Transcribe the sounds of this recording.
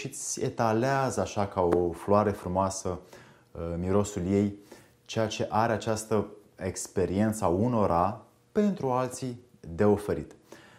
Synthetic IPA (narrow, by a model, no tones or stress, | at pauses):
ʃit̪sʲe̞̰t̪aleazəaʃakaofloaɾefɾumoasə | miɾo̞sulje̞j | t͡ʃe̞jat͡ʃe̞ʔaɾeat͡ʃast̪əe̞kspe̞ɾie̞nt̪səauno̞ɾʔa | pe̞nt̪ɾualt̪si | d̪e̞o̞fe̞ɾḭt̪